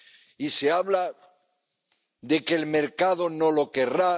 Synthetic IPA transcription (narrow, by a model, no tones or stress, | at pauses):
ise̞aβla | ðe̞keːlme̞ɾkaðo̞no̞lo̞ke̞ra